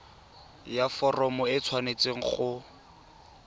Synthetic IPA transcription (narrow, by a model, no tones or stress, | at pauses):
jafɔrɔmɔɪt͡sʰwanet͡seŋ̩χʊ